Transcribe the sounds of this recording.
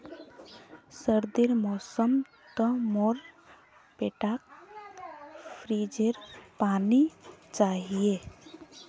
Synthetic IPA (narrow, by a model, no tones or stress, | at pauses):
səɾd̪iɾmɔːsəm | t̪əmɔɾ | peʈak | pʰɾid͡ʒeɾpaːnit͡ʃaːɦije